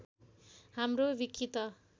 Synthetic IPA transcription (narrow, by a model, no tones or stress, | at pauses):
hamrobikʰːit̪ʌ